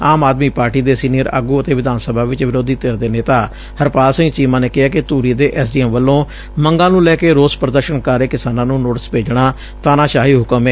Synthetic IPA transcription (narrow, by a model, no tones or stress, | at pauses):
aːmaːd̪miːpaːɾʈiːd̪eːsiːniːəɾə̰ːɡuːət̪eːʋɪd̪aːnsəbʱaːʋɪt͡ʃʋɪɾoːd̪iːt̪eːɾd̪eːneːt̪aː | həɾpaːlsɪ̃ŋːt͡ʃiːmãːneːkɪɦaːkɪt̪uːɾiːd̪eːʔɛːs̬ɖiːɛːmʋəlːõː | məŋɡãːnũːlɛːkeːɾoːspɾəd̪əɾʃənkaɾeːkɪsaːnãːnũːnoːʈɪspeːd͡ʒɽaː | t̪aːnaːʃaːɦiːɦʊkəmɛː